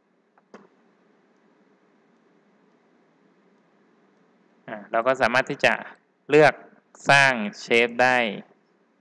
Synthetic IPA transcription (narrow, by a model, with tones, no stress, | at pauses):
ʔaː˧˩lɛː˧˩wkɔː˥˩saː˩˦maː˥˩t̪ʰiː˥˩t͡ɕa̰˨˩ʔ | lɯ˥˩ək̚ | saː˥˩ŋt͡ɕʰeː˦˥p̚daː˥˩j